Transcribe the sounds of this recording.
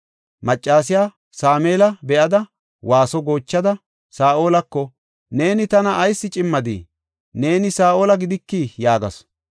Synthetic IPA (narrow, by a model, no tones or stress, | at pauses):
mɐt͡ʃʼːaːs̬ɪjaː | saːmeːlɐbɛʔɐd̪ɐ | waːsɔɡo̞ːt͡ʃːɐd̪ɐ | saːʔo̞ːlɐkːɔ | ne̞ːnɪt̪ɐnɐʔːjsːɪt͡ʃʼɪmːɐd̪ḭ | ne̞ːnɪsaːʔo̞ːlɐɡɪd̪ɪkːijaːɡɐ̰s